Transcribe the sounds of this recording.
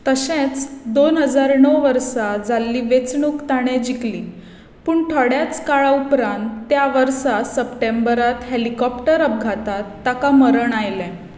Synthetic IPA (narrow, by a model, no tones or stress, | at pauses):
t̪əɕẽt͡sd̪onɦəd͡zaɾɳəʋəɾsad͡zalːiːʋet͡sɳukt̪aɽ̃ẽd͡ʑikliː | puːɳʈʰəɽjat͡skaɭaupɾãnt̪ːjaʋəɾsasəpʈẽmbəɾat̪ɦelikɔpʈəɾəp̚ɡʱat̪at̪ːakaməɾəɳajlɛ̃